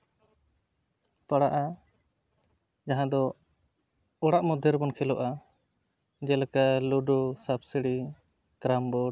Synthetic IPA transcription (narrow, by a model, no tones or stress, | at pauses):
paɽaʔa | d͡ʒaɦãd̪ɔ | ɔɽaʔmɔd̪ʱɛɾbɔnkʰɛlɔʔa | d͡ʒɛlkaluɖɔsabsiɽi | kɾambɔ